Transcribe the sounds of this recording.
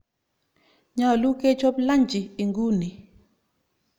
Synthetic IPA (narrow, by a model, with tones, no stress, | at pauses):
ɲa˨lu˦ke˦t͡ʃɔ˦pla˦ɲd͡ʒi˨i˨ŋɡu˦ni˨